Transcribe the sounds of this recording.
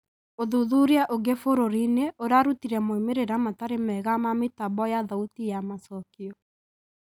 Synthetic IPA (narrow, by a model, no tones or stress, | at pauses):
oðuðuɾiaʔoɡefoɾoɾineʔoɾaɾutiɾɛmoimeɾeɾamataɾemɛɣamametaβɔjaðautijamasɔkiɔ